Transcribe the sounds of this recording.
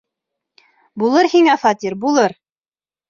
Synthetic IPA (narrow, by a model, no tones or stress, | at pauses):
bulˠɤɾhiŋæfɑt̪ʲiɾbulˠɤɾ